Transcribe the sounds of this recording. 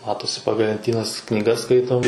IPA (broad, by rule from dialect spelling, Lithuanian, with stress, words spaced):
ˈmɑːtoːsʲɪ ˈpɑːɡɐlˠ lʲɛnʲˈtʲiːnɐs knʲiːˈɡɐs ˈskɐɪtoːm